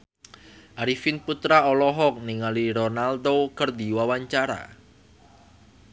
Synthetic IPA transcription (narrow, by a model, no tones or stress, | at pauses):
ʔaɾifinput̪ɾaɔlɔɦɔk̚niŋaliɾɔnald̪okərd̪iwawaɲt͡ʃaɾa̰